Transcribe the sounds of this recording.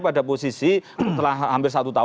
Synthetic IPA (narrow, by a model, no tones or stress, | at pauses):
pada̤posisit̪əlaɦhampɪrsat̪ut̪a